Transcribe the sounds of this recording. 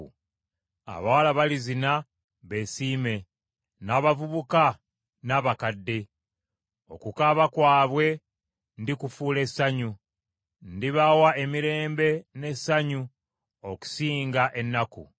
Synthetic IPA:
a̰βawalaβalizina | βe̞ːsiːme̞ | naːβavuβuka | naβakadːe̞ | o̞̰kukaβakwaːβwe̞ | ndikufuːle̞saɲu | ndiβawae̞miɾe̞ːmbe̞ne̞saɲu | oku̥siːŋɡaʔe̞nːakṵ

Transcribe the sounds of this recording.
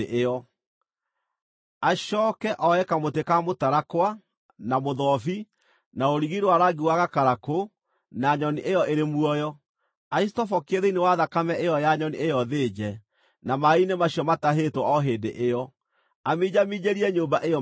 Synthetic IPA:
ʔeɔ | aɕɔːkɛʔɔɛkamotekamotaɾakwa | namoðɔfi | naoɾiɣiɾwaɾaɡiwaɣakaɾako | naɲɔniʔejɔeɾemuɔjɔ | aistɔfɔkeðeinewaðakamɛʔejɔjaɲɔniejɔðeːd͡ʑɛ | namainemaɕiɔmataɦetwɔɔɦeːdḛʔejɔ | amid͡ʑamid͡ʑeɾiɛɲoːmbaʔejɔ

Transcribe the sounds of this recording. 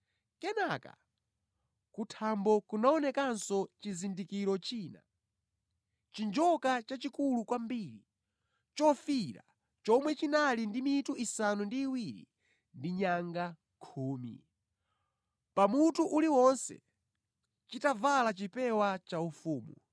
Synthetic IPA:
kɛnaka̰ | kutʰambɔkunaɔnɛkansɔt͡ʃizindikiɾɔt͡ʃiːna̰ | t͡ʃind͡ʒɔkat͡ʃat͡ʃikulukwambiːɾi | t͡ʃɔfiɾa̰ | t͡ʃɔmwɛt͡ʃinalindimituʔisanundiːwiɾḭ | ndiɲaŋɡa | kʰuːmḭ | pamutuʔuliwɔnsɛ̰ | t͡ʃitavalat͡ʃipɛwat͡ʃaufuːmu

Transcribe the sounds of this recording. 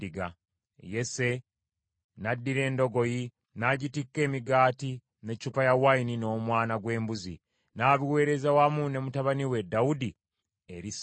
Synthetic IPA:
iɡa | je̞se̞ | nadːiɾe̞ːndo̞ɡo̞ji | naɟitikːe̞ːmiɡaːti | ne̞t͡ʃupajawainino̞ːmwaːnaɡwe̞ːmbuzḭ | naːβiwe̞ːɾezawamune̞mutaβaniwe̞daudi | e̞ɾis

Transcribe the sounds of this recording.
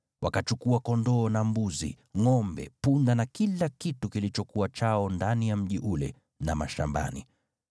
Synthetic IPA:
wakat͡ʃukuakɔndɔːnambuzḭ | ŋɔmbɛ̰pundanakilakitukilit͡ʃɔkuwat͡ʃaɔndanijam̩ʄiʔulɛ̰ | namaʃa̰mba̰ni

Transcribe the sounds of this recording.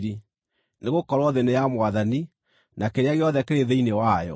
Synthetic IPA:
ɾi | neɣokɔɾwɔðenejamwaðani | nakeɾeaɣeɔðɛkeɾeðeinewajɔ̰

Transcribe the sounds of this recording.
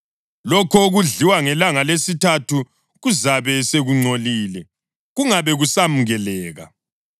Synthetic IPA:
lɔkʰɔɣuɮiwaŋɛlaŋalesitʰatʰu | ɣuzaβɛseɣuŋ͡ǀoliːlɛ | ɣuŋaβɛɣusamuɣɛlɛːɣa̰

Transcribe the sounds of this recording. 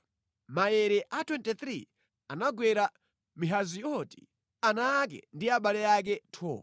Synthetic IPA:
majɛɾɛʔatʰwɛntɛt̪ɾi | anaɡwɛɾa | miɦazijɔti̥̰ | anak̬ɛ̰ndiaɓalɛjak̬ɛtʰɔ̰ː

